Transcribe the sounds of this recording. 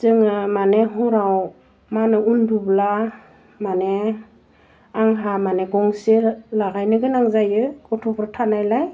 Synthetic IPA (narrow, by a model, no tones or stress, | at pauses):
z̥ɯŋɯmaneɦɔɾaw | manɯundubla | mane | aŋɦamaneɡɔŋselaɡajnɯɡɯnaŋzajɯkɔtʰɔpʰɾɯtʰanajlaj